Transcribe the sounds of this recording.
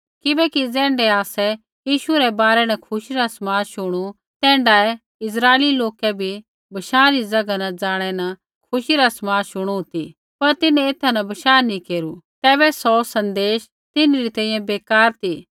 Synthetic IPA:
kɪbɛːkid͡zɛ̃ːɳɖɛaːsɛ | jiːʃuɾɛbaːɾɛnɐkʰʊʃiɾasmaːʃʊɽ̃u | t̪ɛ̃ːɳɖaːɛ | ɪs̬ɾaːeliloːkɛbʱi | bɐʃaːɾid͡zɐɡanɐd͡zaːɽ̃ɛnɐ | kʰʊʃiɾasmaːʃʊɽ̃ut̪i | pɐɾt̪ɪnɛ̃ɪt̪ʰanɐbɐʃaːnĩkeːɾut̪ɛːβɛsɔsɐ̃nd̪eːʃ | t̪ɪnɾit̪ɛ̃ːĩjɛ̃beːkaːɾt̪ʰiː

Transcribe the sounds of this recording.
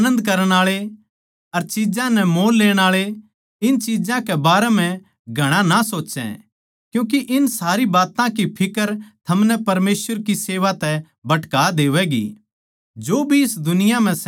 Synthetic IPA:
nə̃nd̪kɐɾəɽ̃aːɭe | ɐɾt͡ʃid͡ʒãnɛmoːlːeːɽ̃aːɭe | ɪnt͡ʃiːd͡ʒãkɛbaːɾɛm̤ɛ̃ | ɡʱɐɽ̃ãnasoːtːt͡ʃɛ̰̃ | kjũːk̬iʔɪnsaːɾibaːt̪ãkipʰɪkəɾt̪ʰɐmnɛpɐɾmeːsʋəɾkiseːʋat̪ɛ | bɐʈkaːd̪eːʋɛɡḭ | d͡ʒoːbʱiɪsd̪ʊnɪjam̤ɛ̃s

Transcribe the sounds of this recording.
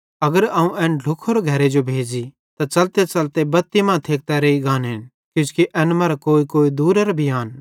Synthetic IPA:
ɐɡəɾaːũʔɛːnɖʱʊkʰoːɾɡʱɐɾed͡ʒobʱeːd͡ʒi | t̪at͡ʃɐlt̪et͡ʃɐlt̪ebɐt̪ːimãːt̪ʰeːk̚t̪ɛɾeiɡaːnɦɪn | kjʊ̃ːskiʔɛːnmɐːɾakoːikoːid̪uːɾɐɾbʱiaːn

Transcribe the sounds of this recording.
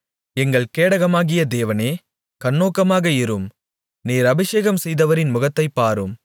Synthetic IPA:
ɛŋɡɐɭkeːɽɐɣɐmaːɣɪjɐd̪eːʋɐneː | kɐɳːoːkːɐmaːɣɐɪɾɯm | niːɾɐbɪʂeːɣɐmsɛjðɐʋɐɾɪnmʊɣɐt̪ːɐɪpːaːɾɯm

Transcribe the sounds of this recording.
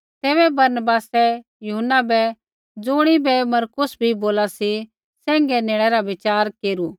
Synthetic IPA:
t̪eːbɛbɐɾnəbaːsɛ | jʊɦənːabɛ | d͡zʊːɽ̃ibɛmɐɾkʊsbʱiboːlasi | sɛ̃ːŋɡɛneːɭ̃ɛɾaʋɪt͡ʃaːɾkeːɾuː

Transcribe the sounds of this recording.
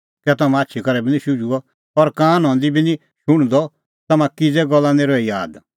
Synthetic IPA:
kɛt̪ɐmãatːʃʰikɐɾɛbinĩʃʊd͡ʒuɔ | ɔɾkãːnɦɔ̃nd̪ibinĩ | ʃʊɽ̃d̪ɔ | t̪ɐmãkid͡zɛɡɔlːãneːɾɔijaːd̪

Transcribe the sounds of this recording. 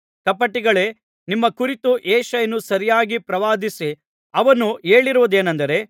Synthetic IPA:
kɐpɐʈːiɡɐɭe̞ː | nimːɐkuɾit̪uʔeːʃɐjɐnusɐɾijaːɡipɾɐʋaːd̪isi | ɐʋɐnueːɭiɾuʋud̪e̞ːnɐnd̪ɐɾe̞

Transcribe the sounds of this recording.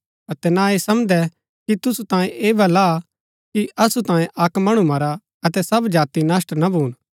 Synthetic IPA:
ɐt̪ɛnaeːsɐmd̪ɛ | kit̪ʊsut̪ãːjẽʔeːbʱɐla | kiɐsut̪ãːjẽʔɐkmɐɽ̃umɐɾa | ɐt̪ɛsɐbd͡ʒaːt̪inaːsʈnabʱuːn

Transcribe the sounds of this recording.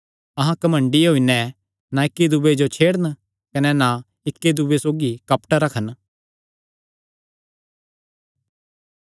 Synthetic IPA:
ɐɦãkɐmə̃ɳɖiɦoinɛ̃ | nãɪkːid̪ubed͡ʒot͡ʃʰeːɽən | kɐnɛnã | ɪkːed̪ubesoːɡikɐpʈaɾɐkʰən

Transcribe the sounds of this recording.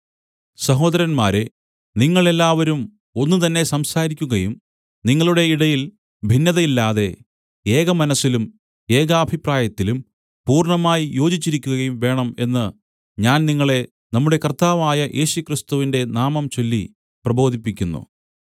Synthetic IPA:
sɐɦo̞ːd̪ɐɾɐnmaːɾe | niŋːɐɭe̞lːaːʋɐɾum | o̞nːut̪ɐnːe̞sɐmsaːɾikʲːuɣɐjum | niŋːɐɭuɽe̞iɽɐjil | bʱinːɐðɐilːaːðe̞ | e̞ːɣɐmɐnɐsːilum | e̞ːɣɐːbʱipraːjɐt̪ːilum | puːrɳɐmaːjijo̞ːd͡ʑit͡ɕːiɾikʲːuɣɐɐjumʋe̞ːɳɐme̞nːɨ | ɲaːnniŋːɐɭe̞ | nɐmːuɽe̞kɐrt̪aːʋaːjɐjʔe̞ːɕukrist̪uʋinde̞naːmɐmt͡ɕo̞lːi | prɐbo̞ːd̪ʱipːikʲːunːṵ

